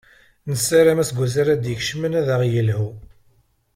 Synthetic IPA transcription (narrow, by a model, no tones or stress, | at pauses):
nəsːaɾæmæsɡʷæzaɾæd̪jəçʃmənæðaʁjəlhu